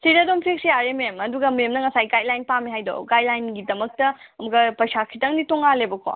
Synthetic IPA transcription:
siɾɐdompʰiksjaɾememɐduɡɐmemnɐŋɐsajɡajlajnpamiɦajdo̰wɡajlajnɡidɐmɐk̚tɐɐmɐɡɐpɐjsakʰitɐŋnitoŋalebɐkʰo̰

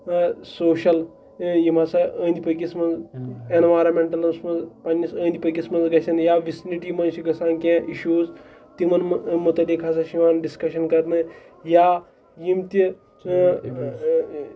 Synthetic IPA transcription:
soːʃɐl | jimasaə̃ːnd̪ʲipɐkʲismɐnd͡zenʋaːɾɐmeɳʈɐlɐnsmɐnzpanʲːisə̃ːnd̪ʲipɐkismɐnzɡɐsɐnjaʋisiniʈimɐnʃiɡɐsaːnkʲẽʔiʃuːz | t̪imɐnmut̪ɐd̪ekʰasaʃiʋaːnɖiskɐʃɐnkɐɾnɨ | jaː | jimt̪i

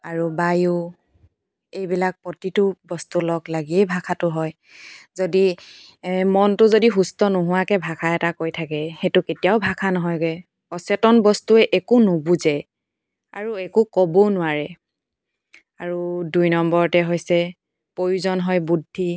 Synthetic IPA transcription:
aɹubajʊ | ejbilak̚pɔtitʊbɔstulɔklaɡiɛjbʱakʰatʊɦɔj | zodi | mɔntʊzodiɦustɔnoɦʊwakɛbʱakʰaɛtakojtʰakɛxetʊketijaʊbʱakʰanɔɦɔjɡɛj | ɔsɛtɔnbɔstuɛʔɛkʊnobuzɛ | a̰ɹuɛkʊkɔbonʊwaɹɛ | aɹudujnɔmbɔɹtɛɦojsɛ | pojuzɔnɦɔjbudʱːi

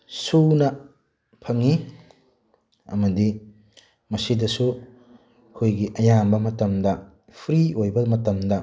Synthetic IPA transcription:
sunɐ | pʰɐŋi | ɐ̰mɐdi | mɐsidɐsu | kʰojɡiʔɐjambɐmɐtɐmdɐ | pʰɾiojbɐmɐtɐmdɐ

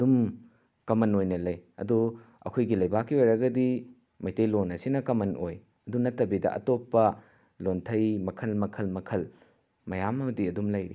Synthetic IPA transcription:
ɐdum | kɐmɐnojnɐlɐjɐ̰du | ɐ̰kʰojɡilɐjbakːiɐɾɐɡɐdi | mɐjtejlonɐsinɐkɐmɐnʔoj | ɐdunɐtːɐbidɐ̰ʔɐ̰topːɐ | lontʰɐjmɐkʰɐlmɐkʰɐlmɐkʰɐl | mɐjamɐmɐdiɐdumlɐjɾḭ

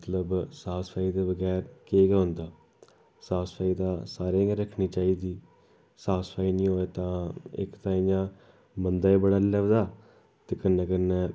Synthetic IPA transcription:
mət̪ləbsaːspʰaːiːd̪eːbəɡɛːɾkeːɡaːɦʊnd̪aː | saːspʰaːid̪aːsaːɾẽːɡɾəkʰniːt͡ʃaːiːd̪iː | saːspʰaːiːnĩːɦoːeːt̪ãːɪ̰kt̪ãːɪjãː | bənd̪aːebəɽaːlɛʋd̪aː | t̪eːkənːeːkənːeː

